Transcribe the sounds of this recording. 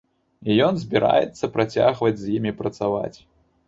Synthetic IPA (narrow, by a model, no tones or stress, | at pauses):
ijɔnzʲbʲiɾa̰jɛ̰t̪sːɐpɾʔat͡sʲaɣvɐd͡zʲzʲjimʲipɾɐt̪sava̰t͡sʲ